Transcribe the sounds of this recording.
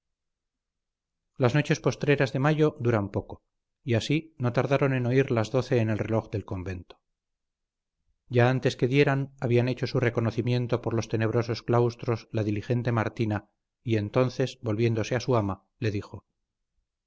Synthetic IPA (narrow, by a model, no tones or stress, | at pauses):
lazno̞t͡ʃe̞spo̞st̪ɾe̞ɾazðe̞maʝo̞d̪uɾampo̞ko̞ | iasino̞t̪aɾðaɾo̞ne̞no̞iɾlazðo̞θe̞ːne̞lre̞lo̞xðe̞lko̞mbe̞nt̪o̥ | ɟ͡ʝaant̪e̞ske̞ðje̞ɾanaβiane̞t͡ʃo̞sure̞ko̞no̞θimje̞nt̪o̞poɾlo̞st̪e̞ne̞β̞ɾo̞so̞sklawst̪ɾo̞zlaðilixe̞nt̪e̞maɾt̪ina | ie̞nt̪o̞n̟θe̞zβo̞lβje̞nd̪o̞se̞asuama | le̞ðixo̞